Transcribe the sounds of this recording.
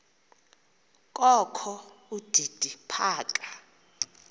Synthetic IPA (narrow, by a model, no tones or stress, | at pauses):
kʼɔkʰɔud̥ʱid̥ʱipʰaːkʼḁ